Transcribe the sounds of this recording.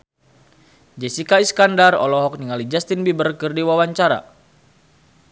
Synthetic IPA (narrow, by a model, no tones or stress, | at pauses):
d͡ʒɛsikaiskandarɔ̰lɔɦɔk̚niŋalid͡ʒast̪inbibərkɨrdiwawaɲt͡ʃaɾa̰